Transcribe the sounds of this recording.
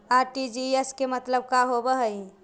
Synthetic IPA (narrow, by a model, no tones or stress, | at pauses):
aʈid͡ʒieskemət̪ləb̚kaɦobəɦəj